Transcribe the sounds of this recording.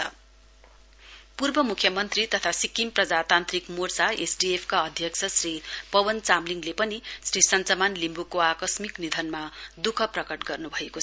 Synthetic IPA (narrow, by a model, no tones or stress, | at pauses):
ʌ̰ | purbʌmukʰjʌmʌnt̪rit̪ʌt̪ʰasikimprʌd͡zat̪ant̪rikmort͡saesɖiepʰkaʌd̪ʱjʌkt͡sʰʌsripʌbʌnt͡samliŋɡlepʌnisrisʌnt͡sʌmanlimbukoakʌsmiknid̪ʱʌnmad̪ukʰʌprʌkʌʈɡʌrnubʱʌekot͡sʰʌ